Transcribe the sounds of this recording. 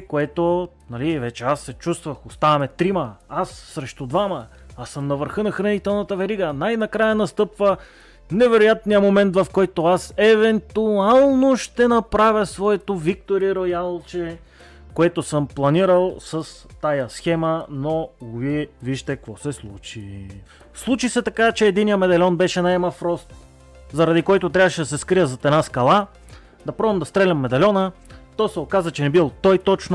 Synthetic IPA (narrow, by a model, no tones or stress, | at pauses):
koɛt̪o | nɐlivɛt͡ʃɛasːɛt͡ʃust̪vəxost̪avɐmɛt̪ɾiməasːɾɛʃt̪ud̪vamə | asəmnɐvəɾxɤnɐxɾɐnit̪ɛlˠnɐt̪əvɛɾiɡənajnɐkɾajənɐst̪ɤpvə | nɛvɛɾojat̪nijəmomɛnt̪vɐfkɔjt̪oasɛvɛnt̪ualˠnoʃt̪ɛnɐpɾavʲjəsvɔɛt̪ovik̚t̪oɾiɾojalˠt͡ʃɛ | koɛt̪osəmplˠɐniɾəlˠsɐst̪ajɐsxɛmənoɡviɛviʃt̪ɛkvɔsɛslˠut͡ʃi | slˠut͡ʃisɛt̪ɐkat͡ʃɛːd̪inijəmɛd̪ɐlʲɔnbɛʃɛnɐɛmɐfɾɔst̪ | zɐɾɐd̪ikɔjt̪ot̪ɾʲavəʃɛd̪ɐsɛskɾijəzɐt̪ɛnaskɐlˠa | d̪ɐpɾɔvɐmd̪ɐst̪ɾɛlʲɐmːɛd̪ɐlʲɔnət̪ɔsɛokazət͡ʃɛnɛbilˠt̪ɔjt̪ɔt͡ʃno